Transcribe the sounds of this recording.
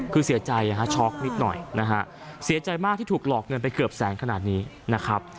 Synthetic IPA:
kʰɯː˧si˨˩˦ɐt͡ɕa˧ja˧˩kʰa˦˥t͡ɕʰɔː˦˥k̚ni˦˥t̪̚nɔ̰˨˩jna˦˥kʰa˦˥ʔ | si˨˩˦ɐt͡ɕa˧jmaː˥˩k̪̚ʰiː˥˩t̪ʰu˨˩k̚lɔː˨˩k̚ŋɤ˧npa˧jkɯ˨˩əp̚sɛː˩˦ŋkʰa˧naː˨˩t̪̚niː˦˥ | na˦˥kʰɾa˦˥p̚

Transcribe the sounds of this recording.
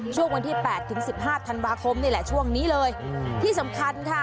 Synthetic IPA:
t͡ɕʰu˥˩əŋwa˧nt̪ʰiː˥˩pɛː˨˩t̪ʰːɯ˩˦ŋsi˨˩p̚ɦaː˥˩t̪ʰa˧nwaː˧kʰo˧mnaː˥˩lɛ˨˩t͡ɕʰu˥˩əŋniː˦˥lɤː˧jt̪ʰiː˥˩sa˩˦mkʰa˧nkʰa˦˥˩

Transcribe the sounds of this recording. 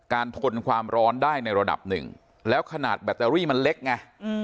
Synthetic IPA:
kaː˧nt̪ʰo˧nkʰwaː˧mɾɔː˦˥ndaː˥˩jna˧jɾa˧da̰˨˩p̚nɯ̰˨˩ŋ | lɛː˦˥wkʰa˧na̰ː˨˩t̪̚bɛ˨˩t̪ːaː˧ɾiː˥˩ma˧nle˦˥k̚ŋa˧

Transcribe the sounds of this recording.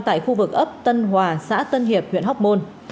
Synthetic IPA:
t̪a̰ː˧˨jxu˧vɨ˨˩k̚ʔə˦˥p̚t̪ə˧nɦwaː˨˩sa̰ː˧˥t̪ə˧nɦi˨˩əp̚hwḭ˧˨ənɦa˦˥wk͡p̚mo˧n

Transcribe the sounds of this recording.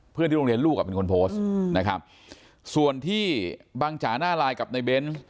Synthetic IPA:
pʰɯ˥˩nt̪iː˥˩o˧ɾi˧əluː˥˩k̚a˨˩pe˧nkʰo˧npʰoː˦˥sna˦˥kʰa̰˦˥p̚ | su˨˩ənt̪ʰiː˥˩baː˧ŋt͡ɕʰaː˩˦naː˥˩laː˧jka˨˩p̚na˧jbe˦˥n

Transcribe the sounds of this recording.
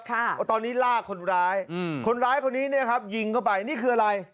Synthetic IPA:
kʰa˥˩t̪ɔː˧nːiː˦˥laː˥˩kʰːo˧nɾaː˦˥jkʰo˧nɾaː˦˥jkʰo˧nːiː˦˥ni˥˩ɐkʰa˦˥p̚ji˧ŋkʰɔ˥˩wpa˧jniː˥˩kʰɯː˧˩a˧ɾa˧j

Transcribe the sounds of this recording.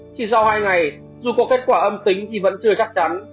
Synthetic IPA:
t͡ɕi˧˩sa˧whaː˧jŋa˨˩j | zu˨˩kɔ˨˦˥kːe˦˥t̚kwaː˧˩ʔə˧mt̪ï˨˦ŋ̟t̪ʰi˨˩və̰˧˥nt͡ɕɨ˧ət͡ɕa˦˥k̚t͡ɕa˨˦n

